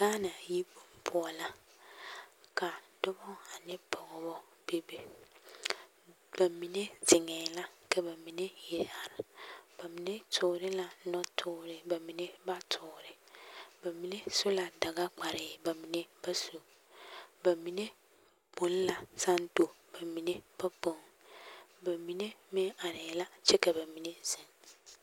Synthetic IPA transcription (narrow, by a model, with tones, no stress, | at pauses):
ɡa˦nã˨ji˦bo˨m˦pʰʊ˦ɔ˨la˦ | kʰa˨dɔ˦bɔ̃˦a˨nɪ̃˦bɔ˨ŋɔ˨bɔ˦ | b̥e˦be˦ | b̥a˨mĩ˨nẽ˦d͡zɪ˨ŋɛ̃˨la˦kʰɛ˦ba˨mĩ˨nẽ˦je˨ɾa˨ɾb̥a˨mi˨nẽ˦tʰʊ˨ɾɪ˦la˦nɔ̃˦tʰʊ˨˦ɾɪ˨ba˨mĩ˨nẽ˦ba˦tʰʊ˨ɾɪ˨bɛ˨mĩ˨nẽ˦sʊ˦la˨da˨ɡa˦k͡pa˨ɾɪ˨bɛ˨mĩ˨nẽ˦bɛ˦su˨ | bɛ˨mĩ˨nẽ˦ | b̥õ˨˦n˦la˨sã˦n˦do˨ | b̥ɛ˨mĩ˨nẽ˦b̥ɛ˦bɔ̃˨˦ŋ | bɛ˨mĩ˨nẽ˦mɪ̃˦a˨ɾɪ˨la˦t͡ʃʰɛ˦kɛ˨bɛ˨mĩ˨nẽ˦zɛ̃˨n